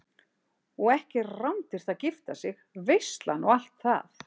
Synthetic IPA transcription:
ɔɣɛhcɪrawnt̪ɪɾ̥θaðcɪft̪asɪx | vejst̪lanɔwal̥t̪θa̰θ

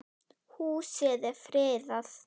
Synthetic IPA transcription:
husɛːðɪɾfɾeːðaθ

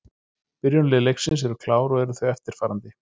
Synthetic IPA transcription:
pɪɾjɔnlɪlejksɪns̬ɛɾʏkʰlaːwɾɔɣɛɾʏθvœɥɛft̪ɪɾ̥faːɾant̪ɪ

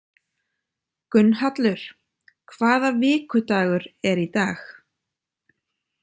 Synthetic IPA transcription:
kʏnːhat̪lʏɾ̥ | kʰvaːðavɪːkʏt̪aːɣʏɾɛɾit̪aːx

